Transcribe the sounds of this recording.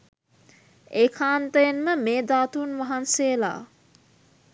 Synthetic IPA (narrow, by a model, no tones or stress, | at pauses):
ekʰaːnt̪əjenmɐmeːd̪aːt̪unʋɐɦanseːla̰